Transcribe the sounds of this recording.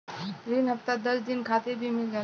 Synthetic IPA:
t̪ɾiːnɦəft̪ad̪əsd̪inkʰat̪eɾbʱiːmɪld͡ʒa

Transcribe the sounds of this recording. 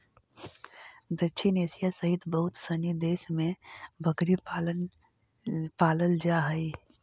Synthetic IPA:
d̪ət͡ʃʰinesijasəɦit̪bəɦʊt̪sənid̪eːsmẽbʱəɡɾi | paːləld͡ʒaɦəi

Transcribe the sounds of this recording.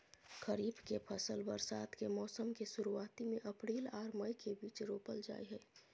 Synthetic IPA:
kəɾiːbkepʰəsəlbəɾsa̰ːt̪kemɔːsəmkesʊɾuaːt̪imẽʔəpɾiːlaːɾməikebiːt͡ʃɾoːpəld͡ʒa̰ːeɦɛː

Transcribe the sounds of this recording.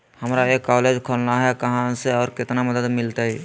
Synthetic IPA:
həmɾaekːɔːled͡ʒkʰolnaɦɛkəɦãseɔːɾkɪt̪naməd̪əd̪mɪlt̪ai

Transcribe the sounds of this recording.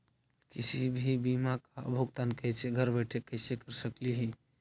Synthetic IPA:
kisibʱibimakaə̰bʱoɡt̪ankɛɪseɡʱəɾbeʈʰekəɪsekəɾsəkliɦĩ

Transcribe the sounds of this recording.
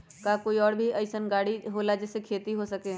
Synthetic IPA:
kakoːiɔːɾbʱiʔɐɪsənɡaːɽiɦoːlad͡ʒɛːsekʰeːt̪iɦosɐkẽ

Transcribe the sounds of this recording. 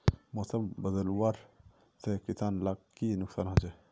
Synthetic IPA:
moːsəmbɐd̪əlwaɾ | sekisaːnlaɡkːinʊksaːnɦãt͡ʃe

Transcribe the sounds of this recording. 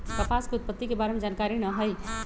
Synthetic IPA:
t̪əpaskeʊt̪̚pət̪ːikebaːɾemed͡ʒaːnkaɾinəɦəj

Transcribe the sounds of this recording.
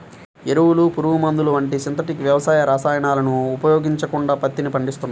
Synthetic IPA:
eɾuwulupuɾuʋumɐnd̪uluʋɐɳʈisint̪̬ɐʈikʋjɐʋɐsaːjɐɾaːsaːjɐɳaːlɐnuːpɐjoːɡiɲt͡ʃɐkuɳɖaːpɐt̪ːinipɐɳɖist̪unːa

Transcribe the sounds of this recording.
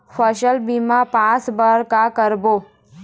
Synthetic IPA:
fʰəʃəlbimapãːt͡sbəɾkakəɾboː

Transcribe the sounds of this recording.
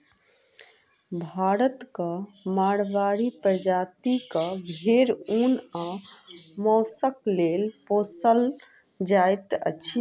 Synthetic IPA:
bʱaːɾət̪kəmaɽʋaɾipɾəd͡ʒaːt̪ikəbʱeɾuna | mɔːsəklelposəl | d͡ʒajt̪ə̰t͡ʃʰi

